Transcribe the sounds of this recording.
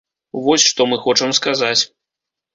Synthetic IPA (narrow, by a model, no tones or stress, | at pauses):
vɔsʲʂt̪ɔmɨxɔt͡ʂɐmskazat͡sʲ